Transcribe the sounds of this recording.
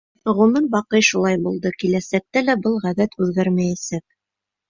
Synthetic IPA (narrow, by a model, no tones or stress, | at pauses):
ʁɵ̆mɘnbɑqɤjʃulˠɑjbulˠd̪ɤkilæsæk̚t̪ælæbɤlˠʁæβæt̪ʉðɡæɾmæjæsæk̚